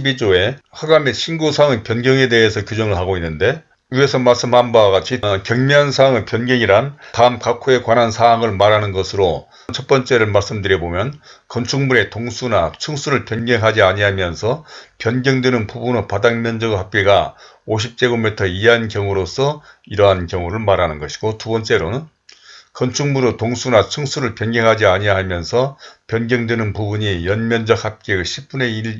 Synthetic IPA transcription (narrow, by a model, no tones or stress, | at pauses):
ɕbid͡ʑoe̞ | haɡameɕʰinɡosʰaŋɯpjʌnɡjʌŋe̞de̞ɦesʰʌkjud͡ʑʌŋɯɭɦaɡoinːɯnde̞ | ue̞sʰʌmaɭs͈ɯmhambaaɡat͡ɕʰikjʌŋmjʌnsʰaŋɯpjʌnɡjʌŋiɾantaɯmkakʰoe̞kwanɦansʰaɦaŋɯɭmaɾanɯnɡʌsʰɯɾo | nt͡ɕʰʌt̚p͈ʌnt͡ɕ͈e̞ɾɯɭmaɭs͈ɯmdɯɾjʌbomjʌnkʌnt͡ɕʰuŋmuɾe̞toŋsʰunat͡ɕʰɯŋsʰuɾɯɭpjʌnɡjʌŋɦad͡ʑiaɲiɦamjʌnsʰʌpjʌnɡjʌŋdwenɯnpubunɯpadaŋmjʌnd͡ʑʌɡɯɦap̚k͈e̞ɡa | oɕʰip̚t͈e̞ɡomitʰʌiɦankjʌŋuɾosʰʌ | iɾʌɦankjʌŋuɾɯɭmaɾanɯnɡʌɕʰiɡ̥otubʌnt͡ɕ͈e̞ɾonɯn | kʌnt͡ɕʰuŋmuɾotoŋsʰunat͡ɕʰɯŋsʰuɾɯɭpjʌnɡeŋɦad͡ʑiaɲiaɦamjʌnsʰʌpjʌnɡjʌŋdwenɯnpubuɲijʌnmjʌnd͡ʑʌk̚hap̚k͈eɡɯɕʰip̚p͈une̞i